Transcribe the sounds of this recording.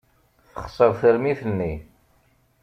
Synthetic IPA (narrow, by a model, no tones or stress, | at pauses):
θəχsˤəɾˤθəɾmiθənːi